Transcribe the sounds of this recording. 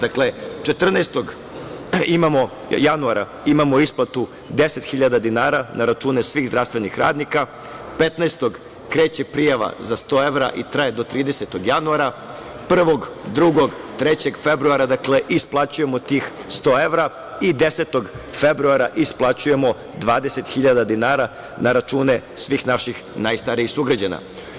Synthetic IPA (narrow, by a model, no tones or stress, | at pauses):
d̪akle̞t͡ʃet̪r̩nast̪o̞ɡ | imamo̞ | januaɾa̰ | imamo̞isplˠat̪u | d̪e̞set̪xiʎad̪ad̪inaːɾanaɾat͡ʃuːne̞sʋiːɣzd̪ɾaʋst̪ʋe̞nixɾa̰ːd̪nika | pe̞t̪naest̪o̞ɡ | kɾe̞ːt͡ɕe̞pɾijaʋa̰zast̪o̞ːe̞ʋɾa̰ʔit̪ɾaje̞d̪o̞t̪ɾiːd̪eset̪o̞ɡjanuaɾa | pr̩ʋo̞ɡd̪ɾuɡo̞ɡt̪ɾet͡ɕe̞ɡfe̞bɾuaɾad̪akle̞ʔisplˠat͡ɕuje̞mot̪iːxst̪o̞ːeʋɾa | id̪e̞set̪o̞ɡfe̞bɾuaɾaʔisplˠat͡ɕuje̞mo̞ | d̪ʋaːd̪ese̞t̪xiʎad̪ad̪inaːɾa | naɾat͡ʃuːne̞sʋiːxnaʃixnaːjst̪aɾiisuɡɾad͡ʑana̰